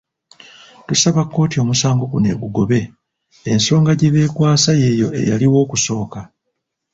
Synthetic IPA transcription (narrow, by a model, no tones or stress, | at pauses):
tusaβakːo̞ːtio̞ːmusaːŋɡo̞kune̞̰ːɡuɡo̞βe̞ː | nso̞ːŋɡaɟeβe̞ːkwaːsaje̞ːjo̞e̞̰jaliwo̞ːkuso̞ːka